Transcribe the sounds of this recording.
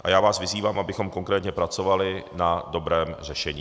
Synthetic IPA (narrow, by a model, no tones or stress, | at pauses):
ʔa̰jaːvaːsvɪziːvaːmʔabɪxo̞mko̞ŋkɾɛːt̪ɲɛpɾat͡so̞valɪnado̞bɾɛːmr̝ɛʃɛɲiː